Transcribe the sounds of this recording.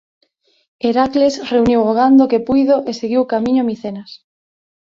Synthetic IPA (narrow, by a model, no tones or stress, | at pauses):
eɾaklesreuniwoɣ̞and̪okepujðoʔeseɣiwkamĩɲomiθenas